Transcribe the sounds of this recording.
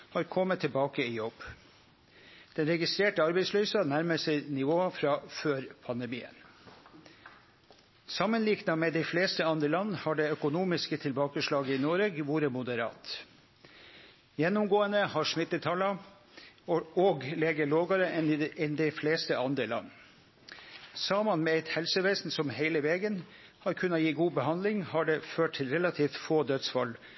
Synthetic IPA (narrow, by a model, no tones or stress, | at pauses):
hɑɾkʰɔmːət̪ʰːɛlbɑːkəɪjɔb̥ː | d̪̥ɛnɾɛɡɪst̪ɾeːʈəɑɾbɛɪslyːsɑnæɾməsɛɪnɪʋoːɑfɾɑːføːɾpʰɑnd̪əmḭːə̰n | sɑmːənliːknɑmɛd̪ɛɪfleːst̪əɑnd̪ɾəlɑnːhɑɖɛœkʊnuːmɪskət̪ʰɪlbɑːkəʂɭɑːɡəɪnoːɾeːɡʋuːɾəmʊd̪əɾɑ̰ːt̪ | jɛnːʊmɡoːənəhɑʂmɪt̪ːət̪ʰɑlɑ | oːɡleːɡəɭoːɡɑɾəɛnɪɛnd̪ɛɪfleːst̪əʔɑnd̪ɾəlɑ̰nː | sɑːmɑnmɛæɪt̪hɛlsəʋeɪsn̩sɔmheɪləʋeːɡən | hɑɾkʰʉnːɑjiːɡuːbəhɑnd̪lɪŋhɑɖɛːføːʈ̚ʈ̪ʰɪlɾɛlɑt̪ʰiːft̪foːd̪œt̪sfɑl